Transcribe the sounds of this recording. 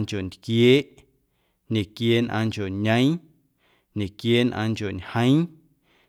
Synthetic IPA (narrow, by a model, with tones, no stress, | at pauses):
ŋkʲo˨nd̪kjeː˦ʔ | ɲẽ˨kjeː˦nʔã̰ː˧ŋko˨ɲə̃˦j̃ | ɲẽ˨kjeː˦nʔãː˧ŋko˨ɲhə̃˦j̃